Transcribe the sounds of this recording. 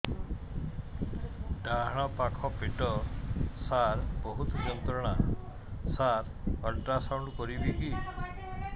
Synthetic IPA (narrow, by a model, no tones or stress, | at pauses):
ɖaɦɽ̃ɔpakʰɔpiʈɔsaɾbɔɦut̪d͡ʒɔnt̪ɔɾɔɽ̃a | saɾ | ɔɖɾasawɳɖkɔɾibiki